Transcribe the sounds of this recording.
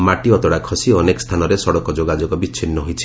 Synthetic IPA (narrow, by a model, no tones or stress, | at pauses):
maʈiɔt̪ɔɽakʰɔsiɔnekɔst̪ʰanɔɾesɔɽɔkɔd͡ʒoɡad͡ʒɔɡɔbiːt͡ʃʰinːɔɦojt͡ʃʰi̥